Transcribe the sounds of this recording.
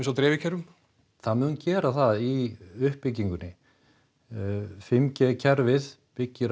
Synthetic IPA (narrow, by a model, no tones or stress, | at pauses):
ns̬awt̪ɾɛːvɪcʰɛɾʏm | θaðmʏːðncɛːɾaθaðiʏhpːɪcːiŋkʏnːɪ | fɪmcɛcʰɛɾvɪð | pɪcːɪɾ